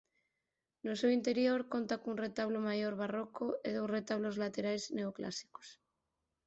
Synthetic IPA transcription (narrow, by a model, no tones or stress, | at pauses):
nosewint̪eɾjoɾkont̪akounret̪aβ̞lomajoɾβarokoeðowsret̪aβ̞lozlat̪eɾajzneokla̰si̥ko̥s